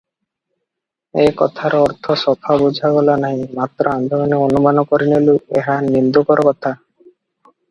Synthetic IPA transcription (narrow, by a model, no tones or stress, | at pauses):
ekɔt̪ʰaɾɔɔɾt̪ʰɔsɔpʰabud͡ʒʱabɔlanaɦĩmat̪ɾɔand̪ʱɔɡanionumanɔkoɾinelueɦanind̪ukɔɾɔkɔt̪ʰa